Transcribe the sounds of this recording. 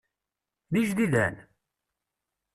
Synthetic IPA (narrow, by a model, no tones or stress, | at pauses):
ðiʒðiðæ̰n